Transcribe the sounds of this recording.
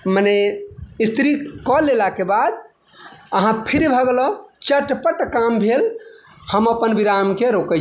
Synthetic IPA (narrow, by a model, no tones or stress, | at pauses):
məneist̪ʰɾikɔlelakebad̪̚ | əɦãpʰiɾibʱəɡlɔt͡ʃəʈpəʈkambʱel | həməpənbiɾamkeɾokɛ